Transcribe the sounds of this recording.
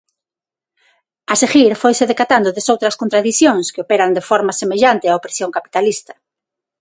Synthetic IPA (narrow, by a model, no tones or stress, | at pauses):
ɐseɣiɾfojseðekat̪and̪ʊðesowt̪ɾɐskont̪ɾaðiθjõŋskɪopeɾand̪efɔɾmasemeʎant̪ɪaopɾesjoŋkapi̥t̪alist̪ɐ̥